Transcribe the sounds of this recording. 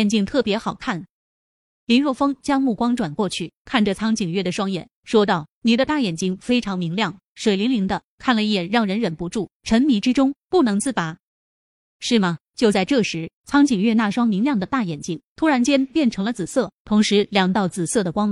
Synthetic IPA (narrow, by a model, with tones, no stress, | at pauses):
ɛ˥˩nt͡ɕi˥˧ŋt̪ʰɤ˥˩pjɛ˧˥xɑ˨˩ʊkʰa˥˩n | li˧˥nɻwɔ˥˩fɤ˥ŋt͡ɕjɑ˥ŋmu˥˩kwɑ˥ŋʈ͡ʂwa˨˩nkwɔ˥˧t͡ɕʰy˥˩kʰa˥˩nʈ͡ʂə˩t͡sʰɑ˥ŋt͡ɕi˨˩ŋɥɛ˥˩d̪ə˩ʂwɑ˥ŋjɛ̰˨˩nʂwɔ˥t̪̬ɑ˥˩ʊni˨˩d̪ə˦t̪a˥˩jɛ˨˩nt͡ɕi˥˩ŋfe˥ɪʈ͡ʂʰɑ˧˥ŋmi˧˥ŋljɑ˥˩ŋ | ʂwe˨˩ɪli˧˥ŋli˧˥ŋd̪ə˧kʰa˥˩nlə˩i˥˩jɛ˨˩nɻɑ˥˩ŋɻə˧˥nɻə˨˩npu˧˥ʈ͡ʂu˥˩ʈ͡ʂʰə˧˥nmi˧˥ʈ͡ʂɻ̩˥ʈ͡ʂʊ˥ŋpu˥˩nɤ˧˥ŋt͡sɹ̩˥˩pa˨˩˦ | ʂɻ̩˥˩mɐ˩t͡ɕjo˥˧ʊt͡sa˥˧ɪʈ͡ʂɤ˥˩ʂɻ̩˧˥t͡sʰɑ˥ŋt͡ɕi˨˩ŋɥɛ˥˧na˥˩ʂwɑ˥ŋmi˧˥ŋljɑ˥˩ŋd̪ə˩t̪a˥˩jɛ˨˩nt͡ɕi˥˩ŋt̪ʰu˥ɻa˧˥nt͡ɕjɛ˥npjɛ˥˩nʈ͡ʂʰɤ˧˥ŋlə˧t͡sɹ̩˨˩sɤ˥˩t̪ʰʊ˧˥ŋʂɻ̩˧˥ljɑ˨˩ŋt̪ɑ˥˩ʊt͡sɹ̩˨˩sɤ˥˩d̪ə˩kwɑ˥ŋ˩